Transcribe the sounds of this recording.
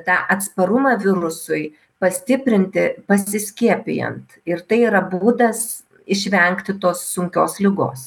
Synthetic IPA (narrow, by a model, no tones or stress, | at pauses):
t̪ɑːʔɐt̪spɐɾʊmɑʋʲɪɾʊsʊɪ | pɐsʲt̪ʲɪpʲɾʲɪnʲt̪ʲɪpɐsʲɪsʲkʲiɛpʲɪ̰jɛ̰nt̪ɪɾt̪ɐɪiɾɐbuːd̪ɐs | ɪʃʲʋʲɛŋkt̪ʲɪt̪oːsːʊŋʲkʲoːslʲɪɡo̰ːs